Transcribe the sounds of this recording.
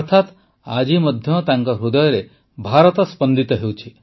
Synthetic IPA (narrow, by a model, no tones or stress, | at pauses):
ɔɾt̪ʰat̪ | a̰d͡ʒimɔd̪ʱjɔt̪aŋkɔɾud̪ɔjɔɾe | bʱaɾɔt̪ɔspɔnd̪it̪ɔɦewt͡ʃʰi